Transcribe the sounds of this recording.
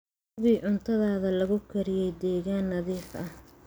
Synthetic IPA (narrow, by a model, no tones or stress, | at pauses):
ɣiːʕʊnt̪ʰɐðaːðɐlɐɣʊkʰɐɾɪjɛjd̪ɛːɣaːnːɐðiːħʔɐh